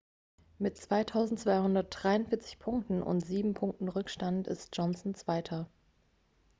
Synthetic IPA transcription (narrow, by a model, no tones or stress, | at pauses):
mɪtt͡sv̥aɪtʰaʊzn̩tt͡sv̥aɪhʊndɐt̚d̥ʁaɪʊnfɪɐt͡sɪ̥çpʰʊŋk̚tn̩ʔʊ̰ntz̥iːbm̩pʰʊŋk̚tn̩ʁʏkʃtantɪ̰st̚d͡ʒ̥ɔnsn̩t͡sv̥aɪtʰɐ